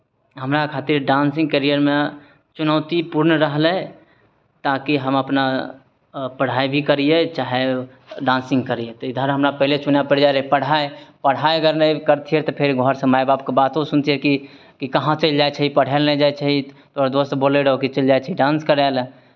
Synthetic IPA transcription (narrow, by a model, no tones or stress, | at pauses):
ɦəmɾakʰaːt̪iɾɖãnsɪ̃ŋɡ̚kəɾijəɾmẽ | t͡ʃʊnəːt̪ipuɾnɾəɦlɛ̃ | t̪akiɦəməpna | pəɽ̤aːibʱikəɾijet͡ʃaːɦe | ɖãːnsɪ̃ŋɡkəɾiet̪ɔid̪ʱəɾɦəmɾapəɦilet͡ʃunapəɽd͡ʒaɾəipəɽ̤aepəɽ̤aeəɡəɾnəikəɾt̪ʰiɛt̪ɔpʰeɾɡʱɔɾsə̃maebaːp̚kebat̪õsunt̪ʰiɛki | kikəɦãt͡ʃəld͡ʒaet͡ʃʰəɦipəɽ̤elnɛd͡ʒaet͡ʃʰəɦi | t̪oɾad̪ost̪boleɾɦokit͡ʃəld͡ʒajt͡ʃʰiɖãːnskəɾal